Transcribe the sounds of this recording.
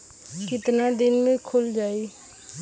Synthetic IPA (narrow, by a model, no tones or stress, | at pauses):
kɪt̪nad̪ɪnmẽkʰʊld͡ʒaːiː